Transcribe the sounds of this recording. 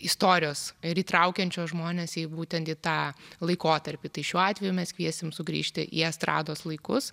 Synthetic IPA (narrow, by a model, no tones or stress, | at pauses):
ɪst̪oːɾʲɪjoːsɪɾiːt̪ɾɐʊkʲɛnʲt͡ʃʲoːsʒmoːnʲeːsiːbuːt̪ʲɛnt̪iːt̪ɑːlˠɐɪkoːt̪ɐɾʲpʲiːt̪ɐɪʃʲuːɑːt̪ʲʋʲɛjumʲɛskʋʲiɛsʲɪmsʊɡɾʲḭːʃʲt̪ʲɪ̰ʔḭɐst̪ɾɑ̰ːd̪oːslˠɐɪkʊs